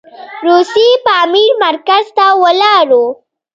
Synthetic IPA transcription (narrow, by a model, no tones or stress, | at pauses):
ɾusipɑːmiɾmaɾkazt̪awəlɑɾu